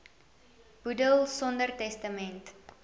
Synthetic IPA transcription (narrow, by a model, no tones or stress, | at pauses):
b̥udəlˠsɔndərtɛstəmɛnt